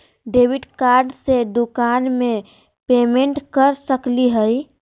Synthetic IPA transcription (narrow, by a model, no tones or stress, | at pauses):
ɖeːwɪɖkaːɾɖsed̪ʊkaːnmẽ | peːmẽɳʈkəɾsəkliɦəj